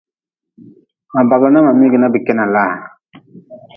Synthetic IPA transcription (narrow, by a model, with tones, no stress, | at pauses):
ma˨ba˨ɡlɔ˨˦na˦ma˨mi˦ɡi˨na˦bi˨kɛ˦na˨laː˦a˨